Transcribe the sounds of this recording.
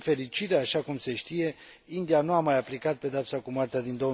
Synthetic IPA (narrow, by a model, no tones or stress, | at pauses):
fe̞ɾit͡ʃiɾeaʃakumse̞ʃt̪ije̞ | ind̪ianuamajaplikat̪̚pe̞d̪eapsakumwart̪ead̪ind̪o̞